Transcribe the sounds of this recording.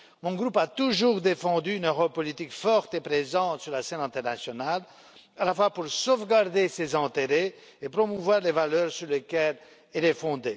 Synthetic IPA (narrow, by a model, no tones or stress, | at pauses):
mɔ̃ɡʁupat̪uʒuːʁd̪efɑ̃d̪yːnøʁɔpːɔlit̪ikfɔʁt̪epχezɑ̃t̪syʁlasɛnɛ̃t̪ɛʁnasjɔnal | alafwapuʁsovɡaʁd̪esezɑ̃t̪eʁe | epχɔmuvwaːʁlevalœːʁsyʁlekɛl | ilɛfɔ̃d̪e